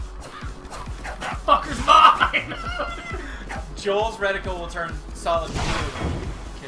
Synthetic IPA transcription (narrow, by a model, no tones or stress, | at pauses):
fʌkəzbaɪn | d͡ʒoʊlˠzɹɛɾɨkl̩ˠwɪlˠtʰɜ̃˞n | sɑlˠəd̚o | kʰɪ